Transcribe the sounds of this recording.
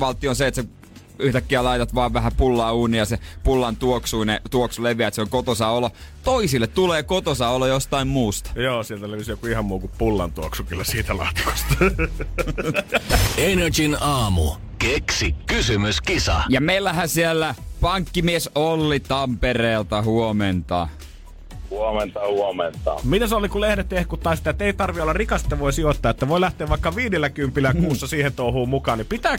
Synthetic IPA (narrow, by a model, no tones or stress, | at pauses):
ʋɑlt̪ːˑionseet̪se | yht̪ækːiælɑit̪ɑt̪ʋɑːʋʋæhæpulːɑːuːnijɑsepulːɑnt̪uoksuinet̪uoksuleʋiæet̪seoŋkot̪osɑolːɑ | t̪oisilːet̪t̪uleːkot̪osɑolːɑjost̪ɑimmuːst̪ɑ̥joːsielt̪æleʋisjokuihɑmmuːkupulːɑnt̪uoksukylːæsiːt̪ælɑ̰t̪ko̥st̪ɑ | enet͡ʃinɑːmṵ | keksikkysymyskisɑ̰jɑmeˑilːæhæsielːæpɑŋkːimiesʔolːit̪ɑmpereːlt̪ɑhuoment̪ɑ̰ | huoment̪ɑhuoment̪ɑ̰mit̪æsolikulehɾet̪ːehkut̪ːɑˑisit̪æet̪ːˑæeit̪ɑrʋiolːɑrikɑse̥t̪ːæʋoˑisiot̪ːɑːet̪ːæʋoˑilæht̪eːʋʋɑˑikːɑʋiːdelːækympilːæuːsːɑsiːhent̪ouhuːmukɑːnnipit̪æː